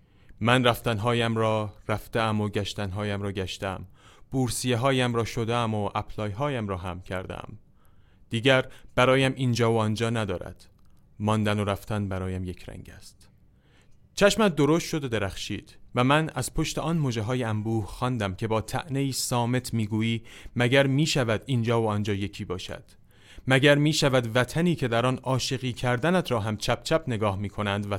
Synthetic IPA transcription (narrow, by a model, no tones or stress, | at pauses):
mænræft̪ænɦɒːjæmɾɒːræft̪eæmoɟæʃt̪ænɦɒːjæmɾɒːɟæʃt̪ææmb̥uːɾsijeɦɒːjæmɾɒːʃod̪eæmoʔæpʰlɒːjɦɒːjæmɾɒːɦæmcʰæɾd̪æ̰æ̰m | d̪̥iːɟæɾb̥æɾɒːjæmʔiːnd͡ʒɒːoɒnd͡ʒɒːnæd̪ɒːɾæ̰d̪̥ | mɒːnd̪ænoɾæft̪ænbæɾɒːjæmjekʰɾæ̰ŋɟæ̰st̪ | t͡ʃʰæʃmæt̪̚d̪o̞ɾost̪ʃo̞d̪od̪e̞ɾæχʃiːd̪̥væmænæz̥pʰo̞ʃt̪e̞ʔɒːnmoːd͡ʒæɦɒːjeæmbuːhxɒːnd̪æmcʰe̞bɒːt̪ʰæ̰ʔne̞iːsɒːme̞t̪ʰmiːɡuːiːmæɟæɾmiːʃævæd̪ind͡ʒɒːvoɒːnd͡ʒɒːje̞cʰiːbɒːʃæ̰d̪̥ | mæɟæɾmiːʃævæd̪væt̪ʰæniːcʰe̞d̪æɾɒːnɒːʃe̞ɣiːcʰæɾd̪ænæt̪ʰɾɒːɦæmt͡ʃʰæp̚t͡ʃʰæpʰne̞ɡɒːhmiːkʰo̞nænd̪væ